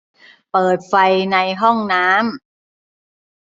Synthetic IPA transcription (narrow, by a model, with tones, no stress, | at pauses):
pɤː˨˩t̪̚fa˧jna˧jɦɔ˥˩ŋnaː˦˥m